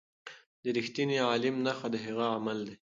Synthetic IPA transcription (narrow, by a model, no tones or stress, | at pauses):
d̪əɾixt̪iniɑlɪmnaxad̪əɦeɣaamald̪e